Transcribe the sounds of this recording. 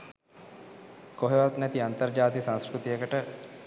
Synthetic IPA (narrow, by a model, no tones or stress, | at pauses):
koɦeʋat̪nɛt̪iant̪ɐrd͡ʒaːt̪isãnskkɾut̪ijəkəʈə